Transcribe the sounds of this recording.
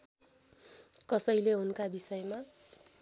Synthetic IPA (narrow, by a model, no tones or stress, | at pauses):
kʌsʌjleɦunkabisʌjma